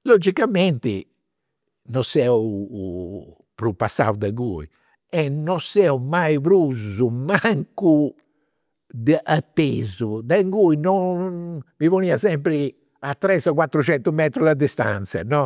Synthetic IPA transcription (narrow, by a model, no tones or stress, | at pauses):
lod͡ʒikamɛnt̪ḭ | nɔsɛ | pɾupːasːa̰wd̪aŋɡṵːḭ | ɛnɔsɛumajpɾuzumaŋku | d̪əʔat̪ːezud̪aŋɡuinɔnvivoniːasɛmpɾi | at̪ːɾɛsɔkwat̪ːɾut͡ʃɛnt̪umɛt̪ɾud̪ad̪ist̪a̰nt̪sa̰nɔ